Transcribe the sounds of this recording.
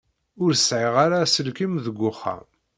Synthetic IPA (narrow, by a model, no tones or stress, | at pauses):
ʊɾsʕɪʁaɾasəlkimðəɡʷːʊχːa̰